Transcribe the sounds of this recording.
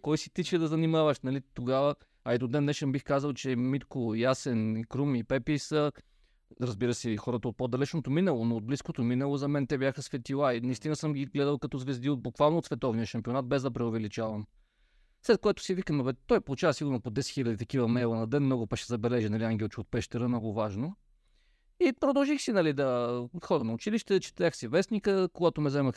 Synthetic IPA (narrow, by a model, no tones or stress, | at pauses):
kɔjsi̥t̪it͡ʃɛd̪ɐzɐnimavəʃnɐlit̪oɡavə | ɐɛd̪od̪ɛnːɛʃɛnbixkazəlˠt͡ʃɛmit̪kojasɛnikɾumipɛpisə | ɾɐzbiɾəsɛxɔɾət̪əot̪̚pod̪ɐlɛt͡ʃnot̪ominəlˠonoːd̪̚bliskot̪ominəlˠozɐmɛnt̪ɛbjaxəsvɛt̪ilˠainɐist̪inɐsəmɡʲiɡlɛd̪əlˠkɐt̪ɔzvɛzd̪iod̪̚bukvalˠnot̪svɛt̪ɔvnijəʃɐmpionat̪̚bɛzd̪ɐpɾɛovɛlit͡ʃavɐm | slɛt̪̚koɛt̪ʊ̥sivikəmnovɛt̪ːɔjpolˠut͡ʃavəsiɡʊɾnopod̪ɛsɛ̥t̪xilʲɐəd̪it̪ɐkivəmɛlˠənɐd̪ɛnmnɔɡʊpɐkʃɛzɐbɛlɛʒinɐliaŋɡʲɛlˠt͡ʃiot̪̚pɛʃt̪ɛɾəmnɔɡʊvaʒno | ipɾod̪ɐlˠʒixsinɐlid̪ɐxɔɾənɐʊt͡ʃiliʃt̪ɛt͡ʃɛ̥t̪ɐɾaxsivɛsnikəkoɡat̪omɛzɛməx